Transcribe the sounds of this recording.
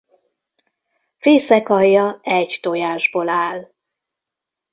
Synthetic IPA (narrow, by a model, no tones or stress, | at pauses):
feːsɛkɒjːɒɛɟt̪ojaːʒboːlaːl